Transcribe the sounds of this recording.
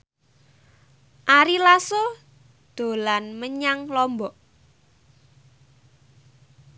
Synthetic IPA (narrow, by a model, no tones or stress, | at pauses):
ʔaɾilaso | d̪̥o̤lanməɲaŋlɔmbɔʔ